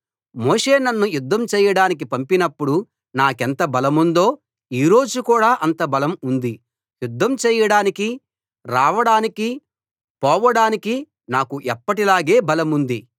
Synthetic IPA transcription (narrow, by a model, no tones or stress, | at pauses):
moːʂe̞ːnɐnːujud̪ʱːɐmt͡ʃɛːjɐɽaːnik̬ipɐmpinɐpːuɽu | naːkɛnt̪ɐbɐlɐmund̪o̞ː | iːɾo̞ːd͡ʒukuːɽaːʔɐnt̪ɐbɐlɐmund̪i | jud̪ʱːɐmt͡ʃɛːjɐɽaːniki | ɾaːʋɐɽaːniki | pɔːʋɐɽaːniki | naːkuʔɛpːɐʈilaːɡe̞ːbɐlɐmund̪i